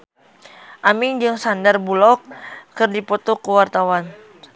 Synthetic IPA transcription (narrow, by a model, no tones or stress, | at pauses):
ʔamiŋd͡ʒɨŋsandarbulɔkːɨrdipɔt̪ɔkəwart̪awan